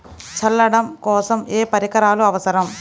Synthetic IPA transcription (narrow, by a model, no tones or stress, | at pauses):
t͡ʃɐlːɐɽɐmkɔːsɐmeːpɐɾikɐɾaːluɐʋɐsɐɾɐm